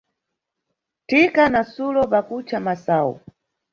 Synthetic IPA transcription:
tikanasulɔpakut͡ʃʰamasaːṵ

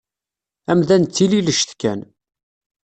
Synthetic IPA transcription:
æmðænt͡s̪ːililəʃθkæ̰n

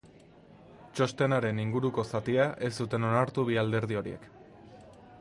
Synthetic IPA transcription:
t͡ʃo̞st̪e̞naɾe̞niŋɡuɾuko̞sat̪iaʔe̞sd̪ut̪e̞no̞naɾt̪uβiald̪e̞ɾðio̞ɾie̞̰k

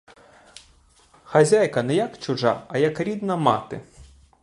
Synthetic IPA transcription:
xɐzʲajkɐnɛjɐkt͡ʃʊʐa̰ɐjɐkɾʲid̪nɐmɑ̰t̪ɪ̰

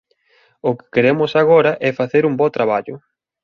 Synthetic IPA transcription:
ʊkɪ̥keɾemʊsaɣ̞ɔɾɐʔɛfaθeɾumbot̪ɾaβaʎʊ

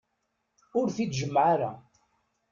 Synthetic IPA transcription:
ʊɾθid̪ʒəmːʕaɾa̰

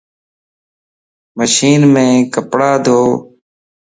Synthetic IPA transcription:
məʃiːnmẽːkəpɽaːd̪ʱoː

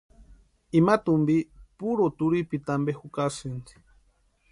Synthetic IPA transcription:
imat̪umbipuɾot̪uɾipit̪ambehukasɨnd̪i̥

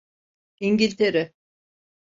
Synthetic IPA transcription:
iɲɟilʲt̪ʰeɾɛ

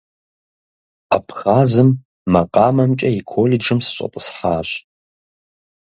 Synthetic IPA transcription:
a̰pʰxaːzɨmː | ɐqɑːmɐmt͡ʃʼɐikʰoːlɪd͡ʒɨmsɨɕʷʼɐ̰tʼəsħaːɕʼ

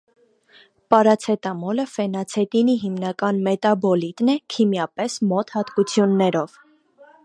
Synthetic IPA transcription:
pɑɾɑt͡sʰɛt̪ɑmɔləfɛnɑt͡sʰɛt̪iniɦimnɑkɑnmɛt̪ɑbɔlit̪nɛkʰimjɑpɛsmɔt̪hɑt̪kut͡sʰjunːɛɾɔv̥

